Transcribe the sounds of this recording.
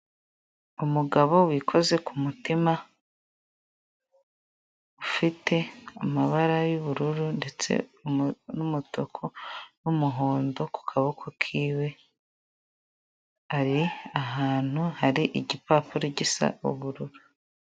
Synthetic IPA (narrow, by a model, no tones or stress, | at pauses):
umuɡaβo̞wikʰo̞ze̞kʰumutima | ufitʰe̞amaβaɾajuβuɾuɾunde̞t͡se̞̰ | numutokʰonumuɦo̞ːndo̞ku̥kʰaβokʰokʰiːwe̞ | aɾiaɦaːn̥huhaɾiʔiɟipaːpuɾiɟisa̰uβuɾuɾu